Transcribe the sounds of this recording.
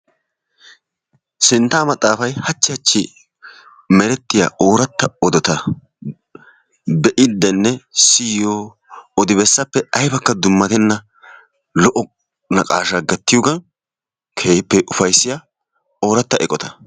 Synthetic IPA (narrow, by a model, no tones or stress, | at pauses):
sɪnt̪ːaːmɐt̪ʼːaːfɐjhɐt͡ʃːɪɐt͡ʃːɪ | mɛɾɛt̪ːɪja̰ʔoːɾɐt̪ːɐɔd̪ɔt̪ɐ | bɛʔɪd̪ːɛnːɛsɪjoː | ɔd̪ɪbɛsːɐpːɛɐjbɐkːɐd̪ʊmːɐt̪ɛnːɐ | lɔʔɔ | nɐkʼaːʃaɡɐt̪ːɪjɔɡɐn | kʰeːpːɛʔʊfɐjsːɪja | o̞ːɾɐt̪ːɐʔɛkʼɔt̪ɐ̥